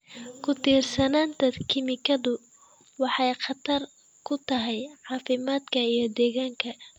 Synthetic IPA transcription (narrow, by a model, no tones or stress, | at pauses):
kʰʊt̪ʰiːrsɐnaːnd̪ɐd̪kʰɪmɪkʰɐðʊ | wɑħɑjqɑt̪ʰɐr | kʰʊt̪ʰɐɦɛjʕɑːfɪmaːd̪kʰɐijɞd̪ɛːɣaːŋkʰɐ